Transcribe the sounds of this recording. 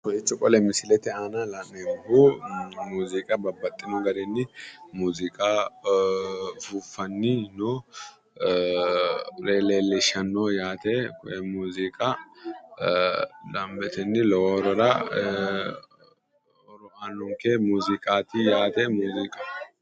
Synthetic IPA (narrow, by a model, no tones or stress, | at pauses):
kɔjɛt͡ʃʼːɔkʼɔlɛmɪsɪlɛt̪ɛaːnɐlɐmɛbːumuːzɪkʼɐbɐbːɐt̪ʼːɪnʊɡɐɾɛnːɪmuːzɪkʼa | fufɐnːɪnɔ | leːleːlːɛʃɐnːojaːt̪ekʊ̰ʔɛmuːzɪkʼa | lɐmbɛt̪ʰɛnːɪlɔɔɾɔɾɐ | ɾɔaːnːʊŋkemuːzɪkʼaːt̪ɪjaːt̪ɛmuːzɪkʼɐ